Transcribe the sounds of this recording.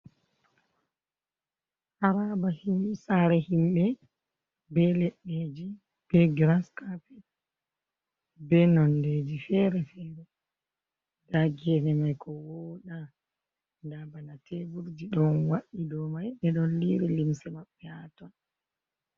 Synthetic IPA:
haɾabahimsaɾɛhimɓɛ | bɛlɛɗːed͡ʒi | b̥ɛɡɾaskapɛ | bɛnɔnded͡ʒifɛɾɛfɛɾɛ | daɡɛnɛmajkʰɔwɔɗa | ndabanatɛbuɾd͡ʒiɗɔnwaɗidɔmajɗɛɗɔnliɾilimsɛmaɓːɛatɔn

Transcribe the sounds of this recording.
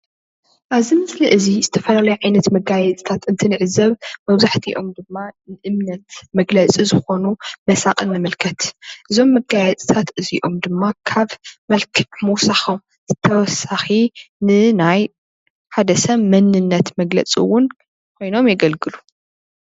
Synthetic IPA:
ʔaβzimɨsliʔɨzizɨt̪ʰɐfɐlalɐjuʕajnɐt̪mɐɡajɛt͡s̪ʼi̥t̪ʰat̪ɨnt̪ʰɨnɨʕɨzɐβmɐβzaħt̪ʰiʔo̞md̪ɨmːanɨʔɨmnɐt̪mɐɡlɐt͡sʼizɨxo̞numɐsaqʼɨnːɨmɨlkʰɐt̪ʔɨzo̞mːɐɡajɛt͡sʼi̥t̪ʰat̪ʔɨziʔo̞md̪ɨmːakʰaβmɐlkʰɨmuwsaxom | z̥ɨt̪ʰːɐwɔsaxinɨnaj | ħad̪ɐsɐβmɐnːɨnːɐt̪mɐɡlɐ̰t͡sʼiwːʊn | kʷʰo̞jno̞mjɛɡɐlɡɨlu

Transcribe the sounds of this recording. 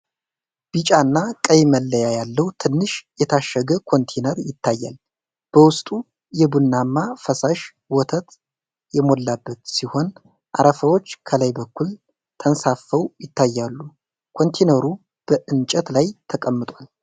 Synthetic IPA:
b̥it͡ʃʼaɨnːakʼəjməlːəjajalːəwt̪ʰɨnːɨʃjɛt̪ʰaʃːəɡəkʰo̞nt̪ʰenəɾjɪt̪ʰːajːa̰l | b̥əwʊst̪ʼu | jɛbunːamːafəsaʃ | wɔt̪ʰət̪ | jɛmo̞lːabːət̪siho̞n | ʔa̰ɾəfəwo̞t͡ʃːkʰəlajbəkʰːul | t̪ʰənsafːəwjɪt̪ːajːalːu | kʰo̞nt̪ʰenəɾu | b̥əʔɨnt͡ʃʼɛt̪lajt̪ʰəkʼəmːɨt̪ʼwal

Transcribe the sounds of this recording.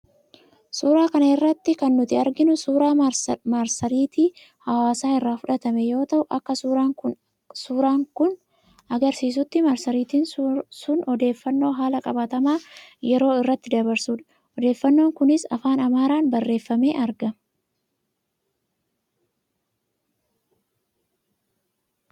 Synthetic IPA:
suːɾaːkɐnɐɪrːɐt̪ːɪkɐnːʊt̪ɪɐɾɡɪnʊsuːɾaːmaɾsɐɾiːt̪iː | hɐwaːsaːɪrːaːfʊᶑɐt̪ɐmɛjo̞ːt̪ɐʔʊʔɐkːɐʊ | suːɾaːŋkʊn | ɐɡɐɾsiːs̬ʊt̪ːɪmɐɾsɐɾiːt̪iːnsʊnɔd̪e̞ːfːɐnːo̞ːɦaːlɐkʼɐbɐt̪ɐmaːjɛɾo̞ːɪrːɐt̪ːɪd̪ɐbɐɾsuːᶑɐ̥ | ʔɔd̪e̞ːfːɐnːo̞ːŋkʊnɪsɐ̰faːnɐmaːɾaːnbɐrːe̞ːfːɐme̞̰ːʔɐɾɡɐ

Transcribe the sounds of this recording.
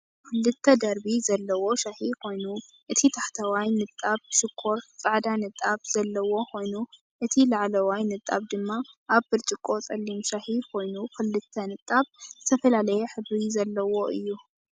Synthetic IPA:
kɨlːɨt̪ʰːɐd̪ɐɾbizɐlːɐwo̞ʃaħikʰo̞jnu | ʔɨt̪ʰit̪ʰaħt̪ʰɐwajnɨt̪ʼːaβʃɪkʰːo̞ɾt͡sʼaʕd̪anɨt̪ʼːaβz̥ɐlːɐwo̞kʰo̞jnu | ʔɨt̪ʰilaʕlɐwajnɨt̪ʼːaβd̪ɨmːaʔaβbɨɾt͡ʃʼɪkʼːo̞t͡sʼɐlːimʃaħikʰo̞jnukʰɨlːɨt̪ʰːɐnɨt̪ʼːaβzɨt̪ʰɐfɐlalɐjɛħɨβɾizɐlːɐwo̞ʔɨ̰jːu

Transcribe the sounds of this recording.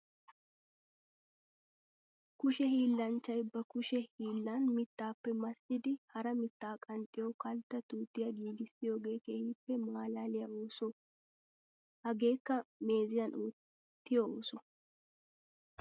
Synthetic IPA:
kʊʃɛhiːlːɐnt͡ʃːɐjbɐkʊʃɛhiːlːanmɪt̪ːaːpːɛmɐsʔɪd̪ɪhɐɾɐmɪt̪ːaːkʼɐnt̪ʼːɪjokɐlt̪ːɐt̪uːt̪ːɪjɐɡiːɡɪsɪjo̞ːɡe̞ːkeːjiːpːɛmaːlaːlɪjɐoːsʊ | hɐɡe̞ːkːɐme̞ːzɪjɐnʔoː | t̪ːɪjooːsʊ

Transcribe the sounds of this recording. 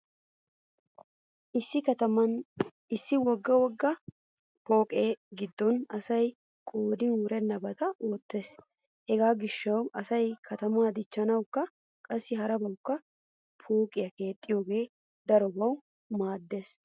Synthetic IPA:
ɪ | ɪsːɪwɔɡːɐwɔɡːɐ | po̞ːkʼeːɡɪd̪ːɔnɐsɐj | kʼoːd̪ɪnʊɾɛnɐbɐt̪ɐʔoːt̪ːe̞ːs | hɛɡaːɡɪʃːɐwɐsɐjkʰɐt̪ɐmaːd̪ɪt͡ʃːɐnɐwkːɐ | kʼɐsːɪɦɐɾɐbɐwʊkːɐ | pʰo̞ːkʼɪjɐke̞ːt̪ʼːɪjo̞ːɡe̞ː | d̪ɐɾɔbɐw | maːd̪ːe̞ːs

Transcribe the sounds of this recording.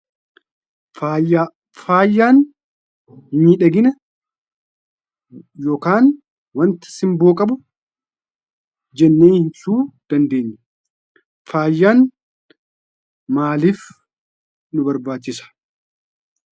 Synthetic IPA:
aa | faːjːaːn | hɲiᶑɐɡɪnɐ | joːkaːn | wɐnt̪ɐ̥sɪmboːkʼɐbʊ | d͡ʒɛnːeːhɪnsuːd̪̥ɐnd̪e̞ːɲːɛ | faːjːaːn | maːliːf | nʊbɐɾbaːt͡ʃːɪsɐ̥

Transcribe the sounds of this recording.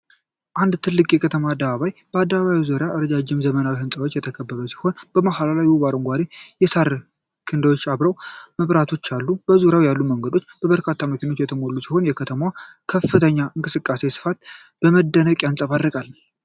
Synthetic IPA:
ʔand̪t̪ʰɨlːɨkʼjɛkʰət̪ʰəmaːd̪ːəβaβajb̥əad̪ːəβaβajizuɾejaʔəɾəd͡ʒad͡ʒːɪmzəmənawihɨnsʼəwot͡ʃːjɛt̪ʰəkʰəbːəβəsi̥ho̞nb̥əmahalalajwuβaɾɨŋɡʷad̪ejɛsaɾ | kʰɨnd̪əwo̞t͡ʃːaβɾəwməβɾat̪ʰo̞t͡ʃːalːubəzuɾjawjalːuməŋɡəd̪o̞t͡ʃːb̥əβəɾkʰat̪ʰːaməkʰino̞t͡ʃ̪ːjɛt̪ʰəmo̞lːusiho̞njɛkʰət̪ʰəma | kʰəfːɨt̪ʰəɲːaʔɨŋkʼɨsɨkʼːase̞sɨ̥fat̪ | b̥əməd̪ːənəkʼansʼəβad̪əkʼal

